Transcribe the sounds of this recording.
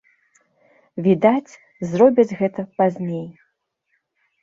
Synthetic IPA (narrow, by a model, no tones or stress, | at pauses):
vʲid̪at͡sʲ | zrɔbʲɐd͡zʲɣɛt̪ɐpazʲnʲej